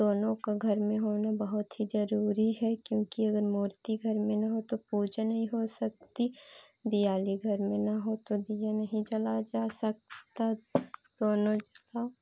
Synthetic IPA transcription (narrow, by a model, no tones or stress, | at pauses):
d̪oːnõkaɡʱɐɾmẽɦoːnabɐɦʊt̪ɦizɐɾuːɾiɦɛkjõːkiɐɡəɾmuːɾt̪iɡʱɐɾmẽnɐɦot̪opuːd͡ʒnɐɦĩɦosɐk̚t̪i | d̪ijaːliɡʱɐɾmẽnɐɦot̪od̪ijənɐɦĩt͡ʃɐlad͡ʒaːsɐk̚t̪ad̪oːnõt͡ʃla